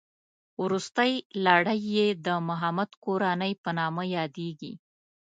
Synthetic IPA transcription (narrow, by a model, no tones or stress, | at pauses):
wɾust̪əjlaɽəjːed̪əmʊɦamad̪koɾanəjpənɑmajɑd̪eɡḭ